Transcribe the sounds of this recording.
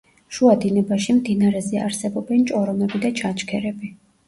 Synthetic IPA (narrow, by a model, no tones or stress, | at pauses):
ʃuad̪inɛbaʃimd̪inaɾɛzɛaɾsɛbɔbɛnt͡ʃʼɔɾɔmɛbid̪at͡ʃʰat͡ʃkʰɛɾɛbi